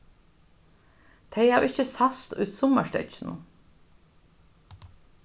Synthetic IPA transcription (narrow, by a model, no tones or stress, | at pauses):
t̪ʰeɪɑːɹɪçəsɑst̪ʉ̰ːt̪sɔməʃtœ̰çn